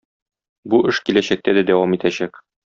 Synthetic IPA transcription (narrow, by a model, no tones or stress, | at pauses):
buʔɘʃkilæɕæk̚t̪æd̪æd̪æwɑmit̪æɕæk